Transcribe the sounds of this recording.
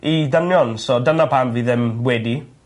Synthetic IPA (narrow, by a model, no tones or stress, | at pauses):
idənjɔnsɔdənapʰamviːðɪmwɛdi